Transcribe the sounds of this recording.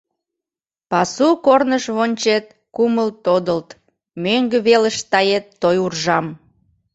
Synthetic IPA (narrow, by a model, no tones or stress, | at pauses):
pɑsukornəʃβonʲt͡ɕet̪̚ | kuməlt̪od̪əlt̪ | møŋɡə̆βeləʃt̪ɑjet̪ːojurʒɑm